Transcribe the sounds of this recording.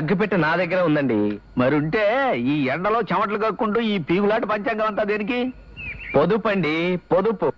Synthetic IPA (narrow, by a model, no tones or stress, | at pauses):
ɐɡːupɛʈːɐnaːd̪ɐɡːɐɾɐund̪ɐɳɖimɐɾiuɳʈe̞ːiːɛɳɖɐlo̞ːt͡ʃɐmɐʈ̬lukɐkːuɳʈuːiːpiːɡulaːʈpɐɲt͡ʃɐŋɡɐʋɐnt̪aːd̪eːnik̬i | pod̪upːɐɳɖipod̪upu